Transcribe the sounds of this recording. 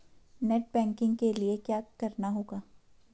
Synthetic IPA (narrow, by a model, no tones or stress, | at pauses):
nɛːʈ̚bɛ̃ːŋkɪ̃ŋɡkeliekjaːkɐɾnaɦoːɡaː